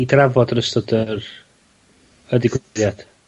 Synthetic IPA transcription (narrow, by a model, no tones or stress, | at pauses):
idravɔdrəstɔdər | ədɪɡwjad̥